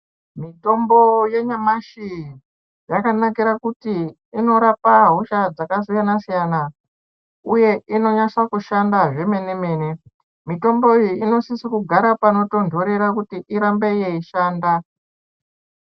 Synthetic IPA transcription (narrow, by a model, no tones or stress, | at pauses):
mito̞mbo̞je̞ɲamaʃi | jakanakiɾakutiː | no̞ɾapaɦuʃad͡zakas̬ijanasijana | uje̞ʔino̞ɲaswakuʃandaʐe̞me̞ne̞me̞ːne | mito̞mbo̞ijiino̞sisikuɡʱaɾapano̞to̞ndʱo̞ɾe̞ɾakutiʔiɾambe̞jeiʃaːnda